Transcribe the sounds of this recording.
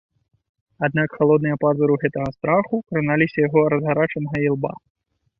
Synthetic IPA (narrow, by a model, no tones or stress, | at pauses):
ad̪nakxalˠɔd̪̚nɨjɐpazɨɾuɣɛt̪ɐɣɐst̪ɾaxukɾɨnalʲisʲɐjaɣɔɾɐzɣaɾat͡ʂɐnɐɣɐilˠba̰